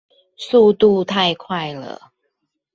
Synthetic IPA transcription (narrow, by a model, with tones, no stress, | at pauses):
su˥˧t̪u˥˧t̪ʰa˥˧ɪkʰwa˥˩ɪlə̰˩